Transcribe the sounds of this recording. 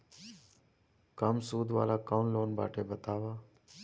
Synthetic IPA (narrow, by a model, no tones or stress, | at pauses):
kəmsuːd̪ʱʋa̰ːlaːkaːnloːnbʱa̰ːʈʰeːbət̪aːʋaː